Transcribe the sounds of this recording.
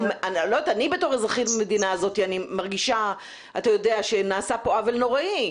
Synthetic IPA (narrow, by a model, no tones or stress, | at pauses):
malot̪anibeto̞ʁezʁaχitamedinaːzo̞t̪ianimaʁɡiʃa | atajodeaʃe̞naːsapoavelno̞ʁaʔi